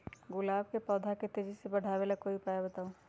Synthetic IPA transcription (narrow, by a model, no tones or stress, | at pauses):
ɡʊlaːb̚kepɔːd̪ʱaket̪eːd͡ʒisebɐɽ̤ʱaːʋelakoipaːjabɐt̪aːũ